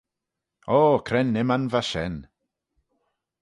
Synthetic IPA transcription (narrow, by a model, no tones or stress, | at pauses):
okʰɾɛnːɪmanvaʃɛn